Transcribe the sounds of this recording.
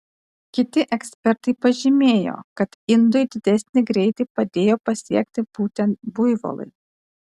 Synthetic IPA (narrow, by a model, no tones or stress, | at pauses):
kʲɪt̪ʲɪʔɛksʲpʲɛɾt̪ɐɪpɐʒʲɪmʲeːjo̰ːkɐt̪ɪnd̪ojd̪ʲɪd̪ʲɛsʲnʲɪɡɾʲɛɪt̪ɐɪpɐd̪ʲeːjoːpɐsʲiɛkt̪ʲɪb̥uːt̪ʲɛnt̪bʊjʋo̰lˠɐ̰ɪ